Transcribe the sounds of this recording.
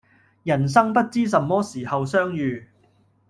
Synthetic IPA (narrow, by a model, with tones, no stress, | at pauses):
jɐ˨˩ns̬ɐ˥ŋpɐ˥t̚t͡siː˥sɐ˨mːɔː˥siː˨˩hɐ˨wsœː˥ŋjyː˧